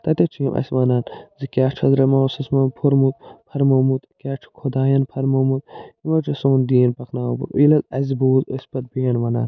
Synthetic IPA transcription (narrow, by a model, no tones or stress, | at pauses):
t̪ɐt̪et͡ʃʰiimʔɐ̰sʲʋɐnaːnzikʲaːt͡ʃʰɐzɾɐmɐːwsɐsmɐnpʰoɾmut̪̚pʰɐɾmoːmut̪kʲaːt͡ʃʰu̥kʰod̪aːjɐnpʰɐɾmoːmut̪̚imɐt͡ʃʰɐsoːnd̪iːnpɐknaːpṵɾṵilɐzɐ̰zbuːzosʲpɐt̪̚beːɳʋɐna̰ːn